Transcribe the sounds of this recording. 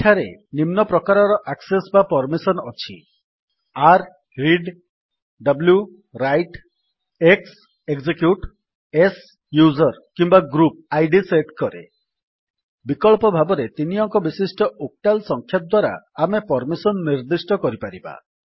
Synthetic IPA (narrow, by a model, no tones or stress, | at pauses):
eʈʰaɾenimnɔpɾɔkaɾɔɾɔʔaksesbapɔɾmisɔnɔt͡ʃʰi | aɾ | ɾiɖ | ɖɔblju | ɾajʈ | eks | eɡzekjuʈ | es | juzɔɾkimbaɡɾup̚ajɖiseʈkɔɾḛ | bikɔɭpɔbʱabɔɾet̪iniɔŋkɔbisisʈɔok̚ʈalsɔŋkʰjap̚d̪waɾa̰ːmepɔɾmisɔnːiɾd̪isʈɔkɔɾipaɾiba̰